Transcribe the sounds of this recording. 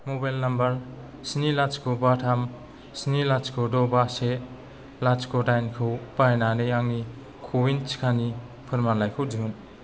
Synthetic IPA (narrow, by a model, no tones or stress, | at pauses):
mobajlnambɐɾ | snilat͡ʃkʰobatʰam | snilat͡ʃkʰodɔbase | lat͡ʃkʰodajnkʰɯwpajnanɯjaŋni | kʰowint͡ʃʰi̥kʰani | pʰɯɾmalajkʰɯwd͡ʒuun